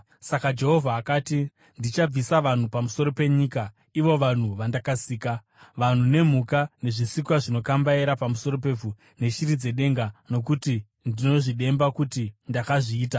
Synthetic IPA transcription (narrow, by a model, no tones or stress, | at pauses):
sakad͡ʒe̞ɦovʱaːkaːti | ndit͡ʃab͡visaʋan̤upamuso̞ɾo̞pe̞ɲiːka | iʋo̞ʋan̤uʋandakasiːka | ʋan̤une̞m̤ukane̞ʐisikwaʐino̞kambaeɾapamuso̞ɾo̞p̬e̞b͡vu | ne̞ʃiɾid͡ze̞ɗe̞ŋɡano̞k̬uti | ndino̞ʐiɗe̞mbakutindakaʐiːta